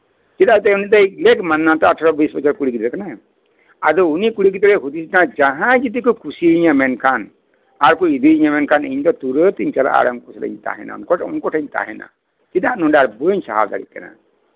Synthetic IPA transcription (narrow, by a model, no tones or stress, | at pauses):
t̪it̪aʔt̪ɛunit̪ajlekmanːat̪ɔaʈʰaɾɔbisbɔt͡ʃʰaɾkuɽikit̪ɾɛkana | ad̪ɔunikuɽikit̪ɾɛɦud̪isinad͡ʒaɦãd͡ʒid̪ikukʰusiiɲamɛnkʰan | aɾkuid̪iiɲamɛnkʰaniɲd̪ɔt̪uɾət̪iɲt͡ʃala̰ʔa̰ɾaŋkɔsala̰ɲt̪a̰ɦɛ̰na̰nkɔunkɔʈʰaɲt̪a̰ɦɛna̰ | t̪id̪aʔnɔɖaɾbəɲsa̰ɦa̰bd̪a̰ɽḭt̪̚ka̰na̰